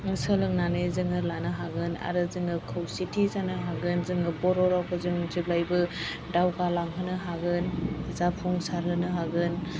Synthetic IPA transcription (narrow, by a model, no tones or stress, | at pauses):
ŋsəlɯŋnanɯzɯŋɯlanɯɦaɡɯna̰ɾɯzɯŋɯkʰɯwsitʰizanɯɦaɡɯnzɯŋɯbɔɾɔɾawkʰɯzɯŋzɯɡ̚lajbɯ | dawɡalaŋɦɯnɯɦaɡɯnzapʰuŋsaɾɦɯnɯɦaɡɯn